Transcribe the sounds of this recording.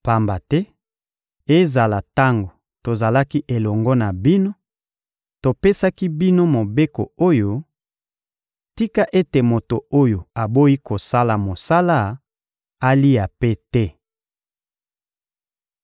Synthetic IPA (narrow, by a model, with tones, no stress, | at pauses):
pa˨mba˨tɛ˦ | e˦za˨la˨ta˦ŋɡo˨ | to˨za˨la˦ki˦ʔe˨lɔ˨ŋɡɔ˦na˨bi˦no˦ | to˨pe˦sa˦ki˦bi˦no˦mo˨be˦ko˨o˦jo˦ | ti˦ka˦ʔe˦te˨mo˨to˨o˦jo˨a˨bo˦i˦ko˨sa˦la˨mo˨sa˦la˦ | a˦li˦a˨pe˦tɛ˦